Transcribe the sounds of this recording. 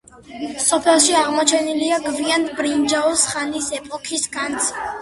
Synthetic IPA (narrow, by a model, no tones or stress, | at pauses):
sɔpʰɛlˠʃiaʁmɔt͡ʃʰɛniliaɡviand̪bɾind͡ʒaɔsχanisɛpʼɔkʰisɡant̪sʰ